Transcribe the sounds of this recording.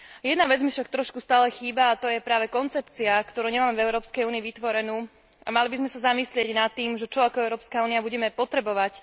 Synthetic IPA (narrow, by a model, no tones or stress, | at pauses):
jɛd̪naʋɛd͡zmifʃak̚t̪ɾɔʃkust̪aːlɛxiːbaːt̪ɔjɛpɾaːʋɛkɔnt͡sɛpt͡siakt̪ɔɾuːɲɛmaːmɛvɛʊɾɔːpskɛjuːniːʋit̪ʋɔɾɛnuː | a̰malibizmɛsazamislɪɛɟnat̪ːiːmʒɛt͡ʃɔakɔɛʊɾɔːpskauːniabuɟɛmɛpɔt̪ɾɛbɔʋac